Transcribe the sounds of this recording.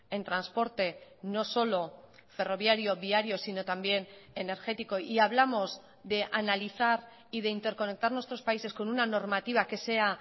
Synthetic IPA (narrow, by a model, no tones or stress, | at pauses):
e̞nt̪ɾanspo̞ɾt̪e̞no̞so̞lo̞fe̞ro̞β̞jaɾjo̞βiaɾjo̞sino̞t̪ambje̞ne̞ne̞ɾxe̞t̪iko̞ʔiaβ̞lamo̞z | ðe̞ʔanaliθaɾ | ið̞e̞int̪eɾko̞ne̞k̚t̪aɾnwest̪ɾo̞spaise̞sko̞nunano̞ɾmat̪iβ̞ake̞se̞a